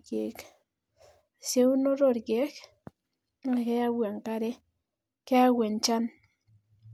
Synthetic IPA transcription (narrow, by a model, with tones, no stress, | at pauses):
ke˨k | se˦uno˦ɾoɾke˦k | alkeja˦wa˨ŋkaɾe˦ | keawe˨nt͡ʃa˦n